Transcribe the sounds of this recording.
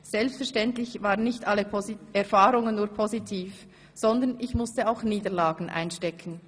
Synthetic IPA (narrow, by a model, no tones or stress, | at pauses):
z̥ɛlpstfɛɐʃtɛntlɪçvaːʁənːɪçtʔalːəpʰoɛɐfaːʁʊŋənːuːɐpʰozitʰiːf | z̥ɔndənɪçmʊstəaʊxniːdəlaːɡn̩ʔa̰ɪnʃtɛkʰn̩